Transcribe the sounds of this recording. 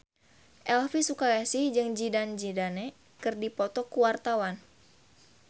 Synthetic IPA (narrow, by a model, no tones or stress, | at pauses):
ʔɛlfisukajasihd͡ʒɨŋd͡ʒidand͡ʒidane | kɨrdipɔt̪ɔkuwart̪awan